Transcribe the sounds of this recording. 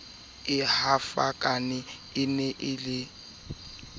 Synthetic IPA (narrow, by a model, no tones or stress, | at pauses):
ɪhafakʼanɪ | ɪnɛʔɪlɪ